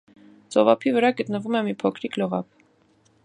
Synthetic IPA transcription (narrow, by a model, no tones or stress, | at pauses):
t͡sɔvɑpʰivəɾɑɡət̪nəvumɛmipʰɔkʰɾikʰləʁɑ̰p